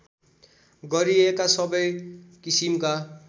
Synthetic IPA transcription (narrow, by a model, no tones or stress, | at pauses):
ɡʌɾiekasʌbʌjkisimka